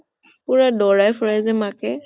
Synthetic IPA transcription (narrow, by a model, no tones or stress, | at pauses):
pʊɹadɔɹajfʰɹajzɛmakɛ